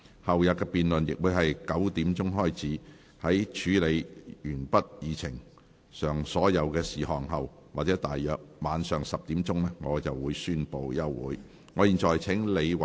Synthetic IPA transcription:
hɐ˨wjɐ˨t̚kːɛː˧piː˨nlɵ˨njɪ̰˨k̚wuː˨˧jɦɐ˨jkɐ˨˥wt̪iː˨˥mt͡sʊ˥ŋɦɔː˥jt͡sʰiː˨˥ | hɐ˨˥jt͡ʃʰyː˨˧le˨˧jyː˨˩npɐ˥t̚jiː˨˧t͡sʰɪ̰˨˩ŋ | sœː˨ŋsɔː˨˥jɐ˨˧wkɛː˧siː˨hɔː˨˩ŋɦɐ˨w | waː˨t̚t͡sɛː˨˥t̪aː˨jːœː˨k̚maː˨˧nsœː˨ŋsɐ˨p̚t̪iː˨˥mt͡sʊ˥ŋlɛː˥ŋɔː˨˧t͡sɐ˨wːuː˨˧jsyː˥npo˨wjɐ˥wwṵː˨˥j | ŋɔː˨˧jiː˨nt͡sɔː˨jt͡sʰɪ˨˥ŋle˨˧jwɐ˨

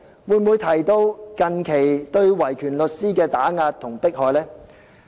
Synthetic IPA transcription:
wuː˨˧jnmuː˨˧jt̪ʰɐ˨˩jt̪o˧wkɐ˨nkʰe˨˩jt̪ɵ˧ɥwɐ˨˩jkʰyː˨˩nlɵ˨t̚siː˥kɛː˧t̪aː˨˥ŋaː˧t̚t̪ʰʊ˨˩ŋpɪ˥k̚ɦɔː˨˧jlɛː˥

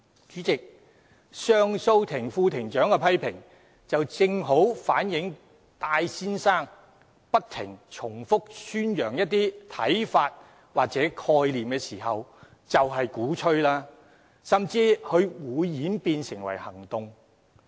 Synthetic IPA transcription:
t͡ʃyː˨˥t͡sɪ˨k̚ | sœː˧ŋso˧wt̪ʰɪ˨˩ŋfuː˧t̪ʰɪ˨˩ŋt͡ʃœː˨˥ŋkɛː˧pʰɐ˥jpʰɪ˨˩ŋ | t͡sɐ˨wt͡sɪ˧ŋɦo˨˥wfaː˨˥njɪ˨˧˥ŋ | t̪aː˨˧jsiː˥nsaː˥ŋ | pɐ˥t̚t̪ʰɪ̰˨˩ŋt͡ʃʰʊ˨˩ŋfʊ˥k̚syː˥njœː˨˩ŋjɐ˥t̚t̪iː˥t̪ʰɐ̰˨˥jfaː˧t̚ | waː˨k̚t͡sɛː˨˥kʰɔː˧jliː˨mkɛː˧siː˨˩ɦɐ˨w | t͡sɐ˨wɦɐ˨jkuː˨˥t͡ʃʰɵ˥ɥlaː˥ | sɐ˨˩mt͡siː˧hɵ˨˧ɥwuː˨˧jiː˨˥npiː˧nsɪ˨˩ŋwɐ̰˨˩jhɐ˨˩ŋt̪ʊ˨ŋ

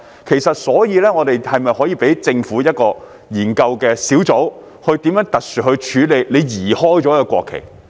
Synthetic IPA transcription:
kʰe˨˩jsɐ˨t̚sɔː˨˥jiː˨˧lɛː˥ŋɔː˨˧t̪e˨jhɐ˨jmɐ˨jhɔː˨˥jiː˨˧pe˨˥jt͡sɪ˧ŋfuː˨˥jɐ˥t̚kɔː˧ | jiː˨˩nkɐ˧wkɛː˧siː˨˥wt͡so˨˥w | hɵ˧ɥt̪iː˨˥mjœ˨˥ŋt̪ɐ˨k̚sy˨t̚hɵ˧ɥt͡ʃʰyː˨˥le˨˧jle˨˧jjiː˨˩hɔː˥jt͡ʃɔː˨˥jkːɔ˧kʷɔː˧kʰːḛ˨˩j

